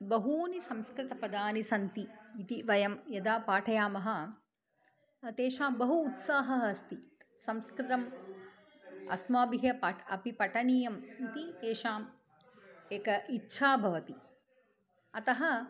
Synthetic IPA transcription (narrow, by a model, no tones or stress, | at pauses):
bɐɦuːnisɐmskɾɪt̪ɐpɐd̪aːnisɐnt̪iːt̪iʋɐjɐmjɐd̪aːpaːʈʰɐjaːmɐɦɐ̆ | t̪eːʃaːmbɐɦuːt̪saːɦɐɦɐst̪i | sɐmskɾɪt̪ɐm | ɐ̰smaːbiɦjɐpɐɐ̰pipɐʈɐnijɐmit̪it̪eːʃaːm | eːkɐʔitːʃʰaːbʱɐʋɐt̪i | ɐt̪ɐɦɐ